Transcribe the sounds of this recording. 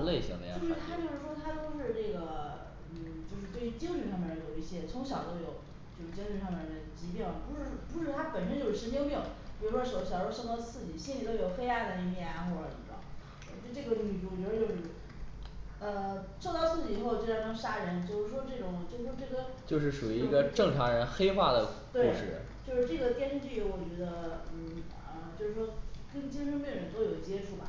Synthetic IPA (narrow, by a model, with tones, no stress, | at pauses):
le˥˩ɪɕḭ˧˥ŋə̰˧jt͡ɕo˥˧ʂɻ̩˥˩t̪ʰa˥t͡ɕjo˥˧ʊʂɻ̩˥˩ʂwɔ˥t̪ʰa˥t̪o˥˧ʊʂɻ̩˥˧ʈ͡ʂɤ˥˩ɡə˩ | n̩˥˩t͡ɕjo˥˧ʊʂ̬ɻ̩˧we˥˩ɪy˧t͡ɕi˥ŋly˥˩˧ʂɑ˥˧ŋmjɛ˥˩˧jo˨˩ʊi˥˩ɕjɛ˥t͡sʰʊ˧˥ŋɕjɑ˨˩ʊt̪o˥ʊjo˨˩ʊ | t͡ɕjo˥˧ʊʂɻ̩˥˩t͡ɕi˥ŋly˧ʂɑ˥˧ŋmɛ˥˩˥d̪ə˩t͡ɕi˧˥pjɛ˥˩nm˨˩pu˧˥ʂɻ̩˥˩˥pu˧˥ʂɻ̩˥˩˧t̪ʰa˥pə˨˩nʂ̬ə˥nt͡ɕjo˥˧ʊʂɻ̩˥˩ʂə˧˥t͡ɕi˥ŋpi˥˩ŋpjɻwɔ˥˩ɕʊ˩ɕjʂo˥˧t̪ɑ˥˧ʊt͡sʰɹ̩˥˩t͡ɕi˨˩ɕi˥nli˨˩t̪o˥ʊjo˨˩ʊxe˥ɪa˥d̪ə˧i˧˥˧mjɛ˥˩na˧xwɔ˥˩ʈ͡ʂə̰˨˧˥ | ʈ͡ʂɤ˥˩ɡə˧˩ʊ˥˧˩ŋy˧˩u˥˩wt͡ɕɥɛ˧˥ə˧t͡ɕjo˥˧ʊʂɻ̩˥˩ | ə˧ | ʂɑ˥˧ʊt̪ɑ˥˧ʊt͡sʰɹ̩˥˩t͡ɕi˨˩˨xo˥˧ʊt͡ɕjo˥˧˩ja˥˩ɑ˥ŋʂa˥ɻə˧˥nt͡ɕjo˥˧ʊʂɻ̩˥˩ʂwɔ˥ʈ͡ʂɤ˥˩ʈ͡ʂʊ˨˩ŋt͡ɕjo˥˧ʊʂɻ̩˥˩ʂwɔ˥ʈ͡ʂɤ˥˩ɡə˩t͡ɕjo˥˧ʊʂ̬ɻ̩˥˩ʂu˨˩yi˧˥i˧˥˧ɡə˧ʈ͡ʂɤ˥˩ŋʈ͡ʂʰa˧˥ŋɻə˧˥nxe˥ɪxwa˥˩d̪ə˩t̪we˥˩u˥˧ʂɻ̩̰˥˩ | t͡ɕjo˥˧ʂɻ̩˥˧ʈ͡ʂɤ˥˩ɡə˩t̪jɛ˥˧nʂ̩˥˧t͡ɕy˥˩jɛ˧˥wɔ˨˩t͡ɕɥɛ˧˥d̪ə˧n̩˥˩ | ə˧˩t͡ɕjo˥˧ʂɻ̩˥˩ʂwɔ˥kə˥nt͡ɕi˥nʂə˥ŋpji˥˩ŋɻə˧˥nt̪o˥ʊjo˨˩ʊt͡ɕjɛ˥ʈ͡ʂʰu˥˩bɐ̰˩